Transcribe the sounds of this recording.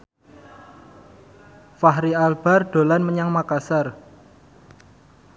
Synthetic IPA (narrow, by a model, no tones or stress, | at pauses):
faɦɾialb̥a̤rɖ̥o̤lanməɲaŋmakasar